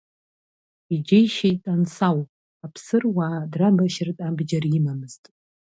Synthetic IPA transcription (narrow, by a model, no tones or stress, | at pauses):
id͡ʒejʃejtʼansaw | apʰsɨrwaːdrabaʃɪrtʼabd͡ʒarimamɨztʼ